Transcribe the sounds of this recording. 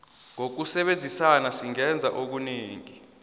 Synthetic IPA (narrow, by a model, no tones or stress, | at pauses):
ŋok̬usɛɓend͡zʱisanasiŋɛnd͡zʱaʔok̬uneːŋi